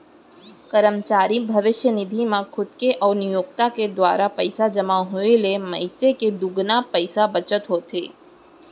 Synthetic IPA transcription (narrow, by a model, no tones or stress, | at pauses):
kəɾəmt͡ʃaːɾibʱəʋɪʃjənɪd̪ʱimãkʰʊd̪keʔɔːnijoːk̚t̪aked̪ʋa̰ːɾapəjsad͡ʒəmaɦoeleməɦiseked̪uɡnapəjsabət͡ʃət̪ɦot̪ʰḛː